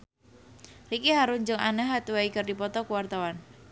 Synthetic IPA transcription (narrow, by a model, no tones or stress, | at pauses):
rikiɦaɾuɲd͡ʒəŋanəɦat̪wɛikərdipɔt̪ɔkəwart̪awan